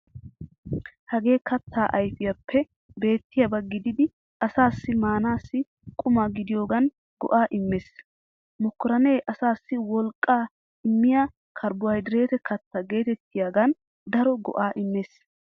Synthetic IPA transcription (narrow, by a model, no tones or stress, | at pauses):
hɐɡe̞ːkɐt̪ʰːaːʔɐjfɪjɐpːɛ | be̞ːt̪ːɪjɐbɐɡɪd̪ɪd̪ɪ | ɐsaːsːɪmaːnaːsːɪ | kʼʊmɐɡɪd̪ɪjo̞ːɡɐn | ɡ̥ɔ̰ʔaːʔɪmːeːs | mɔkːɔɾɐneːʔɐsaːsːɪwɔlkʼːaː | ɪmːɪja | kʰɐɾbʊɐjd̪ɪɾe̞ːt̪ɛkɐt̪ːɐɡe̞ːt̪ɛt̪ːɪjaɡɐn | d̪ɐɾɔɡɔ̰ʔaːʔɪmːeːs